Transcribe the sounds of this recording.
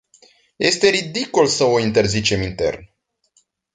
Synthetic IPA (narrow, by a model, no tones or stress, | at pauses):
je̞st̪e̞ɾid̪ikolsəoint̪e̞rzit͡ʃe̞mint̪e̞̰rn